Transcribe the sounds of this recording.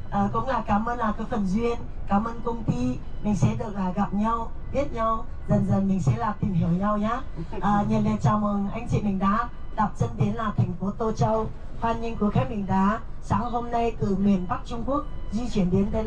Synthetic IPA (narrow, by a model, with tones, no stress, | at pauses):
ʔəː˨˩kʊ̰˧˥ŋ͡mlaː˨˩kaː˨˦mʔəː˧nlaː˨˩kaː˨˥kfə˨˩nzwi˧ən | kaː˨˦mʔəː˧nkə˧wŋ͡mt̪i˧ | mï˨˩ŋ̟sɛ̰˧˥ɗɨ˨˩ək̚laː˨˩ɣa˨˩p̚ɲa˧w | ɓi˦˥ət̚ɲa˧w | zə˨˩nzə˨˩nmï˨˩ŋ̟sɛ̰˧˥laː˨˩t̪i˨˩mɦi˧˩əwɲa˧wɲaː˨˦˥ | ʔəː˨˩ɲə˨˩nle˨˧˦t͡ɕaː˨˩wmə˨˩ŋʔa˧jŋ̟t͡ɕḭ˧˨mï˨˩ŋ̟ɗaː˨˦ɗa˨˩p̚t͡ɕə˧nɗe˨˦nlaː˨˩t̪ʰɛ˨˩ŋ̟fo˨˦t̪o˧t͡ɕə˧w | faː˧nɲi˧ŋku˧˩əxaː˦˥k̚mï˨˩ŋ̟ɗaː˨˦saː˨˦ŋɦo˧mna˧jkɨ˧˩mi˨˩ənɓa˦˥k̚t͡ɕʊ˧ŋ͡mku˦˥ək̚zi˧t͡ɕwi˧˩ənɗe˨˦nɗə˧